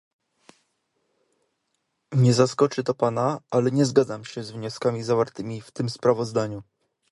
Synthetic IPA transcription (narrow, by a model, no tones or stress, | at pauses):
ɲɛzaskɔt͡ʂɘt̪ɔpanaalɛɲɛzɡad̪zamɕɛzvɲɔskamʲizavaɾt̪ɘmʲift̪ɘmspɾavɔzd̪aɲu